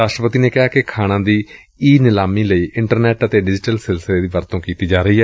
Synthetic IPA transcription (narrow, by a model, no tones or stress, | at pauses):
ɾaːʃʈɾəpət̪iːneːkɪɦaːkɪkʰaːɽ̃ãːd̪iː | iːnɪlaːmiːləiːʔɪ̃ɳʈəɾnɛːʈət̪eːɖɪd͡ʒɪʈəlsɪlsəleːd̪iːʋəɾt̪õːkiːt̪iːd͡ʒaːɾəiːɦɛː